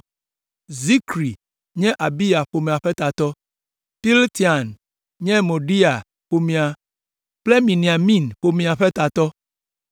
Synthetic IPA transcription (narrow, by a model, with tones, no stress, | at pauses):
zi˦kɾi˨ | ɲɛ̃˦ʔa˨bi˦a˨ɸo˨me˨a˨ɸɛ˦t̪a˨t̪ɔ˦ | pi˦lt̪i˨a˨n | ɲɛ̃˦mo˨ɖi˦a˨ | ɸo˨mĩ˨a˨ | ple˦mĩ˨nĩ˨a˨mĩ˦nɸo˨mĩ˨a˨ɸɛ˦t̪a˨t̪ɔ˦